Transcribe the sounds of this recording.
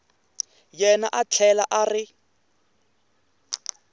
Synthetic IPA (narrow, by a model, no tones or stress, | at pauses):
jɛnaʔat͡ɬʰɛlaʔarɪ